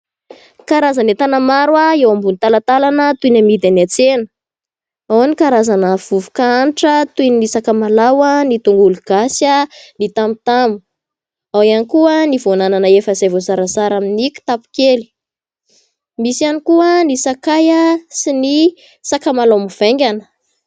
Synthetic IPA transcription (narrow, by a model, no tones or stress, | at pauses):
kaɾazanet̪anamaɾwaewambunit̪alat̪alanət̪unamid̪anat͡senə̥ | awanikaɾazanəv̥uvukaaniʈ͡ʂət̪uninisakamalawanit̪uŋɡuluɡ̥asjənit̪amut̪amu̥ | awianikuənivonananəefəzevozaɾasaɾaminikʲu̥t̪apu̥keli̥ | misianikuənisakajasini | sakamalawmuv̥eŋɡʲanə̥